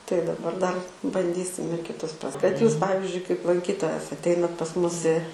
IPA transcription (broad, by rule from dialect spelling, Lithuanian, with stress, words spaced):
tɐɪ dɐˈbɐr dɐr bɐnʲˈdʲiːsʲɪm ɪr kʲɪˈtʊs prɐs kɐt juːs ˈpɑːʋʲɪzʲd͡ʒʲʊɪ kɐɪp lˠɐŋʲˈkʲiːtoːjɛs ɐtʲˈɛɪnɐt pɐs ˈmʊs ɪ